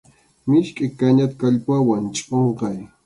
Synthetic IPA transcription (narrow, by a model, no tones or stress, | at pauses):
mɪʃkʼɪkaɲat̪kaʎpawant͡ʃʼoɴqɑj